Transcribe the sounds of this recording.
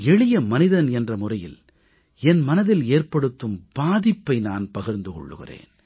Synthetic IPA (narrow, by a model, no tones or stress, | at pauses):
ɛɭɪjɐmɐnɪðɐnɛndrɐmʊrɐjɪ̰l | ɛnmɐnɐðɪleːrpɐɽɯt̪ːɯmb̥aːðɪpːɐɪnaːnpɐɣɪɾnd̪ɯkɔ̰ɭːɯ̰ɣɪ̰rḛːn